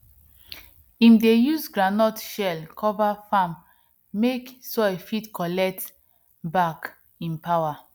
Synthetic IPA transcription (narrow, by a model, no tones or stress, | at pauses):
ĩmdejuzɡɹanɔtʃɛlkʰɔvafamː | eksɔfitkɔlɛk̚t | bak | ĩnpawa